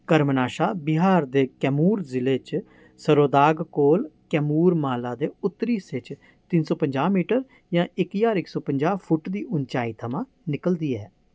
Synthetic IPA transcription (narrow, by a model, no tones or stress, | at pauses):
kəɾmnaːʃaːbɪɦaːɾd̪eːkɛːmuːɾzɪleːt͡ʃ | səɾoːd̪aːɡkoːlkɛːmuːɾmaːlaːd̪eːʊt̪ːɾiːsɪt͡ʃ | t̪ɪnsɔːpəɲd͡ʒaːmiːʈəɾ | jãːɪkjaːɾɪksɔːpəɲd͡ʒaːpʰʊʈd̪iːʔʊnt͡ʃaːiːt̪ʰəmãː | nɪkəld̪iːɛː